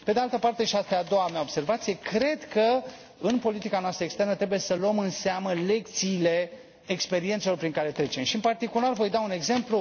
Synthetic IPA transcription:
pe̞d̪ealt̪əpart̪e̞ʃiast̪aad̪o̞wameaobse̞rvat̪sije̞kɾe̞d̪kə | ɨnpo̞lit̪ikanoast̪ɾəekst̪e̞rnət̪ɾebuje̞səloəmɨnseaməle̞k̚t̪siːle̞ː | kspe̞ɾient̪selo̞rpɾiŋkaɾe̞t̪ɾe̞t͡ʃe̞mʃiɨnpart̪ikularvo̞jd̪aune̞ɡze̞mplu

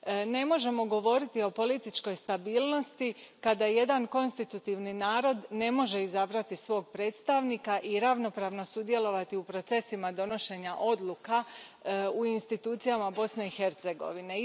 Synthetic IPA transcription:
ne̞mo̞ʒe̞mo̞ɡo̞ʋo̞ɾit̪io̞po̞lit̪it͡ʃko̞jst̪abiːlno̞st̪ikad̪aje̞d̪anko̞nst̪it̪ut̪iʋninaːɾo̞d̪ne̞mo̞ʒe̞izabɾat̪isʋo̞ːɡ̚pɾe̞ːt̪st̪aʋnikaʔiɾaʋno̞pɾaːʋno̞sud̪je̞lo̞ʋat̪iupɾo̞t̪se̞simad̪o̞no̞ʃe̞ɲaʔo̞d̪lˠuka | uinst̪it̪uːt̪sijamabo̞sne̞ixe̞ɾt̪se̞ɡo̞̰ʋine̞

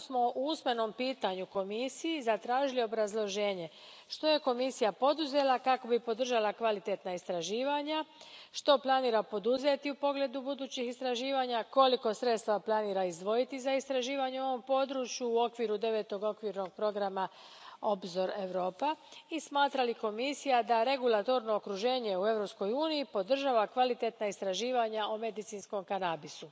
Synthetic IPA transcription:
smo̞ʔuusme̞no̞mpiːt̪aɲuko̞misijizat̪ɾaːʒilio̞bɾazlˠo̞ʒe̞ːɲe̞ | ʃt̪o̞je̞ko̞misijapo̞d̪uze̞lˠakako̞bipo̞d̪r̩ʒalˠakʋalit̪e̞t̪naist̪ɾaʒiːʋaɲaʃt̪o̞plˠaniːɾapo̞d̪uze̞t̪iupo̞ɡle̞d̪ubud̪uːt͡ɕixist̪ɾaʒiːʋaɲako̞liko̞sɾe̞t̪st̪ʋaplˠaniːɾaizd̪ʋo̞jit̪izaist̪ɾaʒiːʋaɲeuo̞ʋo̞mpo̞d̪ɾuːt͡ʃjuːo̞kʋiɾud̪e̞ʋe̞t̪o̞ɡo̞kʋiɾno̞ɡ̚pɾo̞ɡɾama | o̞bzo̞ɾe̞ʋɾo̞ːpaismaːt̪ɾaliko̞misijad̪aɾe̞ɡulat̪o̞ɾno̞okɾuʒe̞ːɲe̞ue̞vɾo̞psko̞juːnijipo̞d̪r̩ʒaʋakʋalit̪e̞t̪naist̪ɾaʒiːʋaɲaume̞d̪it̪sinsko̞mkanabisu

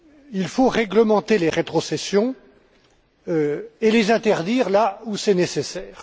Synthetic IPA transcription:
ilfoʁɛɡləmɑ̃t̪eleʁet̪χɔsesjɔ̃ | øelezɛ̃t̪ɛʁd̪iːʁlausɛnesesɛːʁ

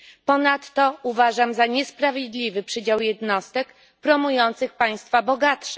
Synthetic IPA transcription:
pɔnat̪ːɔuvaʐamzaɲɛspɾavʲjed̪lʲivɘpʂɘd͡ʑawjɛd̪nɔst̪ɛk | pɾɔmujɔnt̪sɘxpaj̃st̪fabɔɡat̪ʂɛ̥

